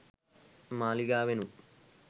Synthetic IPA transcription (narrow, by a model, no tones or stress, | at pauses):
maːliɡaːʋenu